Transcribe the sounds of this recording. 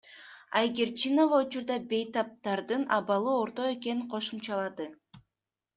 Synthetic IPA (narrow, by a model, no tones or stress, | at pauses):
ajɡʲeɾt͡ʃino̞vaut͡ʃuɾd̪ɑbe̞jt̪ɑp̚t̪ɑɾd̪ɯnɑβɑlˠɯo̞ɾt̪o̞e̞ke̞niɴqʰo̞ʃumt͡ʃɑlˠɑd̪ɯ